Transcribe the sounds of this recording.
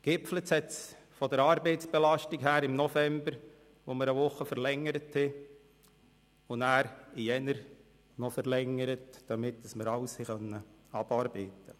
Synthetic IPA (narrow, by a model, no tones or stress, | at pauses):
ɡ̥ɪpflət͡sɛt͡s | fɔdəɾɑːɾbeɪtsb̥ɛlɑʃtiɡhæːɾɪmnɔfɛmbəɾ | ʋoməɾəʋʊχːəfəɾlɛŋːəɾəthɛ | ʊnæːɾɪjɛnəɾ | nɔfəɾlɛŋːəɾətd̥ɑmɪtd̥əsməɾɑʊshiχœnːəɑb̥ɑːɾbeːtːə